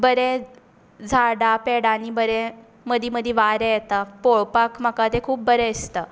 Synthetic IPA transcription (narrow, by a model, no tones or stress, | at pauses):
bəɾe | d͡zʱaɽapeɽanibəɾe | məd̪ʱiməd̪ʱjeʋaɾejet̪apoɭpakməkat̪ekʰuːp̚bəɾeəst̪ə